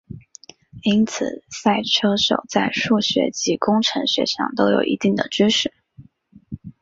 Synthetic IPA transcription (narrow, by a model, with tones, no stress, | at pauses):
i˥nt͡sʰɹ̩˨˩sa˥˩ɪʈ͡ʂʰɤ˥ʂo˨˩ʊt͡sa˥˧ɪʂu˥˩ɕɥɛ̰˧˥t͡ɕi˧˥kʊ˥ŋʈ͡ʂʰɤ˧˥ŋɕɥɛ̰˧˥ʂɑ̰˥˩ŋt̪o˥ʊjo̰˨˩ʊʔḭ˧˥t̪i˥˩ŋd̪ə̰˩ʈ͡ʂy˥ʂɻ̩˥˩